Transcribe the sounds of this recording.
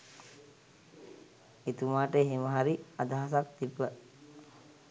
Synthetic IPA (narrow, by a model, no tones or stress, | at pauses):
et̪umaːʈeɦeməɦaɾiad̪aɦasak̚t̪ibːə